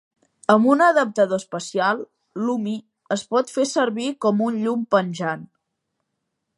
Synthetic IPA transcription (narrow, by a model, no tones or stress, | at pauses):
əmbunəðəp̚t̪əðoəspəsialˠ | lumi | əspɔt̪fesəɾβikɔmunʎumpənʲʒan